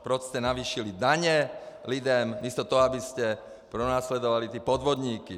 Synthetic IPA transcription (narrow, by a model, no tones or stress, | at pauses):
pɾɔt͡ʃscɛnaʋiːʃilid̪aɲɛ | lid̪ɛmmist̪ɔt̪ɔɦɔabiscɛ | pɾɔnaːslɛd̪ɔʋalit̪iɛpɔd̪ʋɔd̪ɲiːki